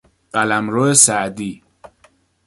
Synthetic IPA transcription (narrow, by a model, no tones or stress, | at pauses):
ɢælæmɾoesæd̪iː